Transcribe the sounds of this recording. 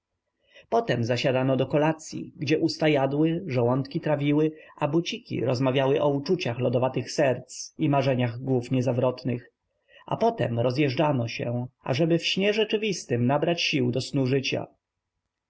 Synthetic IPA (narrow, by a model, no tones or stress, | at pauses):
pɔt̪ɛmzaɕad̪anɔd̪ɔkɔlat̪sʲjḭɡd͡ʑɛʔust̪ajad̪wɘʐawɔnt̪kʲit̪ɾavʲiwɘʔabut͡ɕikʲḭɾɔzmavʲjawɘʔɔut͡ʂut͡ɕaxlɔd̪ɔvat̪ɘxsɛɾt̪simaʐɛɲaɣɡwufɲɛzavɾɔt̪nɘx | ʔa̰pɔt̪ɛ̰mɾɔzjɛʐd͡ʐanɔɕɛ̰a̰ʐɛbɘfɕɲɛʐɛt͡ʂɘvʲist̪ɘmnabɾat͡ɕɕiwd̪ɔsnuʐɘt͡ɕa̰